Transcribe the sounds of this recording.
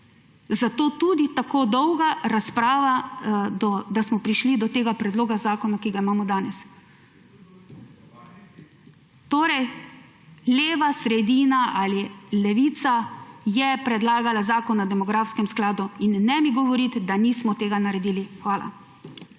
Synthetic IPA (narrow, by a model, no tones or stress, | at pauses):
zat̪oːt̪ud̪it̪akoːd̪ɔwɡaɾaspɾaːʋad̪ɔd̪asmɔpɾiʃlid̪ɔt̪eːɡapɾɛd̪loːɡazaːkɔnakiɡaimaːmɔd̪aːnɛs | t̪oːɾɛj | leːʋasɾɛd̪iːnaʔalilɛʋiːt̪sajɛpɾɛd̪laːɡalazaːkɔnad̪ɛmɔɡɾaːfskɛmsklaːd̪uinːɛmiɡɔʋɔɾit̪d̪aniːsmɔt̪eːɡanaɾɛd̪iːlixʋaːla̰